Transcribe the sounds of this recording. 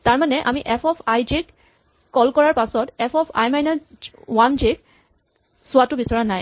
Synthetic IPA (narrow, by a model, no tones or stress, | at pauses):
taɹmanɛʔa̰miʔɛpʰɔpʰajd͡ʒek | kɔlkɔɹaɹpasɔtɛpʰɔpʰa̰jmajna | wand͡ʒek | sʊwatʊbisɔɹanaj